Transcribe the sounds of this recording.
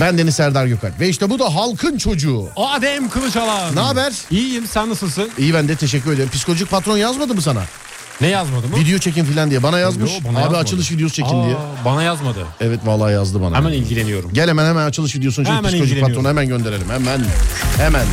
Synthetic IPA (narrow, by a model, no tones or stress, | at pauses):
bænd̪enisæɾd̪aɾɟøka̰lvɛiʃt̪ɛbud̪aɦalˠkʰɯnt͡ʃʰo̞d͡ʒuːaad̪emkʰɯlˠɯt͡ʃalˠanaːbæɾ̥ijjimsænːasɯlˠsɯnijibænd̪ɛt̪ʰe̞ʃ̬ɛc̬ʰːyɾeeɾmpʰisikʰolʲoʒic̚pat̪ɾo̞njazmad̪ɯbus̬ana̰ | nɛjazmad̪ɯmvid̪ejo̞t͡ʃʰec̬infilʲand̪ijɛbanajazmɯʃanaːbiat͡ʃt͡ʃʰɯlˠɯʃ̬vid̪ejost͡ʃʰekʰind̪ijɛbanajazmad̪ɯ̰ɛvɛt̪valˠːaːjazd̪ɯba̰nɛ̰mænilʲɟilʲenijo̞ɾumɟelʲemænhemænat͡ʃʰɯlˠɯʃvid̪ijosunt͡ʃomsiooʒipːaɾonhemænɟønd̪e̞ɾelʲimhemænhemæn